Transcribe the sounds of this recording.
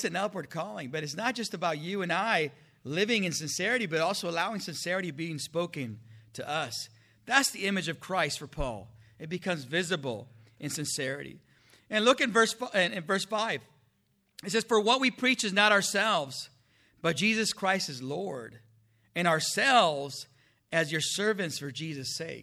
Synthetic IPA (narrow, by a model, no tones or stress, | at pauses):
sɨ̃nʌpwə˞d̚kʰɔlˠɪ̃ŋbʌɾɨts̬nət̚d̥ʒ̥ʌstɨbaʊt͡ʃɨɨ̃naɪ | lɪvɪ̃ŋɨ̃nsɨ̃nsɛɹɨɾibʌɾɔlˠsoʊəlaʊɪ̃ŋsɨ̃nsɛɹɨɾibiɪ̃ŋspoʊkɨ̃ntʰɨʔʌs | ðætsðiɪ̃mɨd͡ʒʌv̥kʰɹ̥aɪstfə˞pʰɔ̰lˠɨt̚b̥ɨkʰʌ̃mzvɪzɨbl̩ˠʔɨ̃nsɨ̃nsɛɹɨ̰ɾḭ | ɨ̃nlʊkɨ̃nvɜ˞sɪ̃nɨ̃nvɜ˞sfaɪv̥ | ɨtsɛz̥fə˞wʌt̚wipʰɹ̥it͡ʃɨznəɾaə˞sɛlˠvz | b̥ʌt̚d̥ʒ̥izɨskʰɹ̥aɪstɨzlɔɹɾ | ɨ̃ɾ̃aə˞sɛlˠvz | ɨzjə˞sɜ˞vɨ̃ntsfə˞d͡ʒizɨseɪk̚